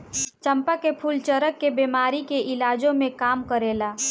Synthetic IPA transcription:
t͡ʃəmpəkepʰult͡ʃəɾəkːebeːmaːɾikeʔɪlaːd͡ʒõmẽkaːmkəɾeːla

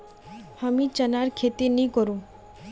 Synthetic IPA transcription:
həmĩt͡ʃənaɾkʰet̪inĩkɔɾũ

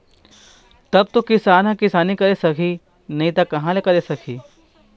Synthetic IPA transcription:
t̪ɐb̚t̪ukɪsaːnɦãkɪsaːnikɐɾesɐkʰiː | nɐɦĩt̪akɐɦãlekɐɾesɐkʰiː

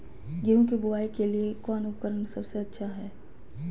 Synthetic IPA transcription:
ɡeũkebʊaːikeliekɔːnʊpkəɾənsɐbseɐtːʃʰaɦɛː

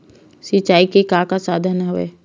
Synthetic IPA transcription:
sit͡ʃːaːikekaːkasaːd̪ʱənɦʊʋḛː

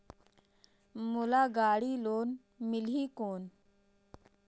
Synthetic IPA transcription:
mulaːɡaːɽiːloːn | mɪlɦiːkoːn

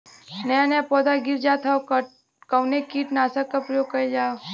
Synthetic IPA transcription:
nɐjanejapɔːd̪aɡiɾd͡ʒaːt̪ʰak | kəwnekiːʈnaːsakːapɾijoɡkɐed͡ʒaː

